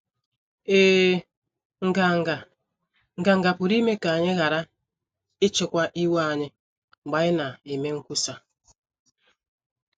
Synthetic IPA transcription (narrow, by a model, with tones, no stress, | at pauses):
e˦ | ŋ̩˨ɡa˨ | ŋ̩˨ɡa˨ŋ̩˨ɡa˨pʊ˨ɾi˦me˦ka˨a˨ɲɪ˦ɣa˨ɾa˦ | ɪ˦t͡ʃʊ˨kʷa˦ʔi˦wa˨ɲɪ˦˨ | ɡ͡ba˨ɪ˦na˨i˨me˦ŋ̩˦ku˦sa˦